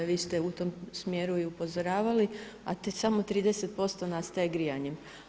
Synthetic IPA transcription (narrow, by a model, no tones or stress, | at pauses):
ʋiːst̪eut̪o̞msmje̞ːɾuiupo̞zoɾaːʋali | a̰t̪samo̞t̪ɾiːd̪ese̞t̪̚po̞st̪o̞nast̪ajeɡɾijaɲem